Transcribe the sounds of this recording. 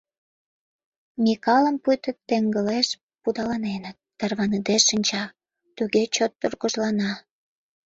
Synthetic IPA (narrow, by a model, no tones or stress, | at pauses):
mʲikɑləmpujt̪ə̆t̪ːeŋɡəleʃ | pud̪ɑlɑnenət̪ːərβɑnəd̪eʃənʲt͡ɕɑ | t̪uɣet͡ɕot̪ːurɣəʒlɑnɑ